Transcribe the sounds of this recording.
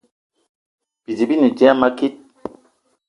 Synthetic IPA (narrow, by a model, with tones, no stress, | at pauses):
b̥i˨d͡ʒi˨bi˦ni˨d͡ʒɛ˦a˦ma˦ki˦t̚